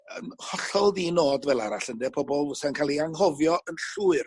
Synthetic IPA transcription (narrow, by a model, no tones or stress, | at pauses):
ənhɔɬɔlˠðinoːdvɛlˠa̰ɾaɬəndɛpʰɔbɔlˠvʊsɛnkʰaːlˠiaŋɦɔvjɔʔənɬuːɨr